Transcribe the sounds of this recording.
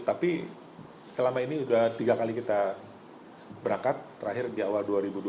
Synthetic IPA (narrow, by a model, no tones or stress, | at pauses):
t̪api | səlamainiudaht̪iɡakalikit̪a | bəɾaŋkat̪ːəɾaɦɪrdiawalduaɾibud